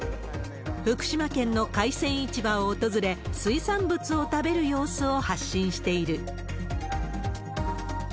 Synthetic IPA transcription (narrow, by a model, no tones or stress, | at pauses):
ɸɯ̟kɯ̟̥ɕimakẽ̞nːo̞kaisẽ̞ɰ̃it͡ɕibaoːt̪o̞zɨɾe̞sɨisãmbɯ̟t͡sɨo̞t̪abe̞ɾɯ̟jo̞ːsɨo̞haɕːĩɰ̃ɕi̥t̪e̞iɾɯ̟